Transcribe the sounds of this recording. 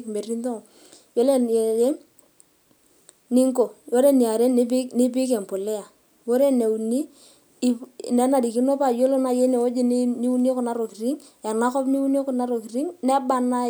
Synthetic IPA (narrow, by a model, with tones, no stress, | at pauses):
kme˨ri˦nto˦˨ | jo˦le˦˨je˦ | ni˦ŋko˨jo˦ɾe˦ni˨a˨ɾe˦n˦pɪ˦kni˦p̬ɪ˦k̬ɛ˨m˨po˨lɛ˦a˨ | wo˦ɾe˦ne˨u˨ni˦˨ | nɛ˨˦na˨di˨ki˦no˦pa˨jo˦lo˦na˨je˦ne˨o˦d͡ʒe˦n˦ni˦wu˦n˦e˦kʊ˨na˨˦ɾo˨ki˨ɾi˦ŋ | a˨na˦kɔ˦pni˦wu˦n˦e˦kʊ˨na˨˦ɾo˨ki˨ri˦ŋnɛ˦ba˦na˦